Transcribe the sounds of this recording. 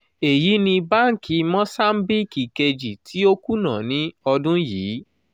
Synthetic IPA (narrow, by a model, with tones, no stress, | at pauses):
e˨ji˨˦nĩ˧ba˦˨ŋ̩˨ki˧˦mɔ̃˦sa˦m̩˦bi˦ki˨ke˧d͡ʒi˨tʰi˦o˦ku˦nã˨nĩ˦ɔ˧dũ˦jiː˨˦